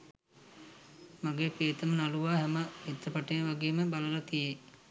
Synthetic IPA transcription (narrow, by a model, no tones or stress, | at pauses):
maɡeːkɾeːt̪əmənaluʋaːɦɛməet̪ːəpaʈejʋaɡeːməbaləlat̪ije